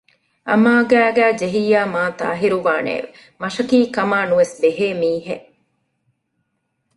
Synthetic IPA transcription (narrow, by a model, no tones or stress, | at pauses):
ʔɐ̰maːɡæːɡæːd͡ʒeɦiːaːmaːt̪a̰ːɦiɾuʋaːnḛːʋe | mɐʃɐkiːkɐmaːnuʋesbeɦeːmiːɦeʔ